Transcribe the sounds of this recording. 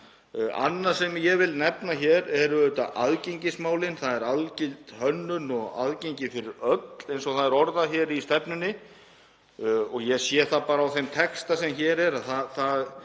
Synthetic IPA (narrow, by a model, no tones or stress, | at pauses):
a̰nːḁsɛmjɛɣvɪlnɛpnaçɛːɾɛɾʏœt̪a̰ʔaðcejɲcɪsmaːwlɪnθaðɛɾalcɪlt̪hœnːʏnɔɣa̰ðceɲcɪfɪɾɪɾœt̪l̥ejnsɔɣθaðɛɾɔɾðaçɛɾist̪ɛpnʏnːɪ | ɔɣjɛsjɛθapaːɾaːwθejmt̪ʰɛkst̪asɛmçɛːɾɛɾaθaθað